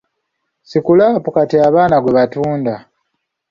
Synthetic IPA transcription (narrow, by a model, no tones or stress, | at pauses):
sikulaːpukatiaβaːnaɡweβatuːnda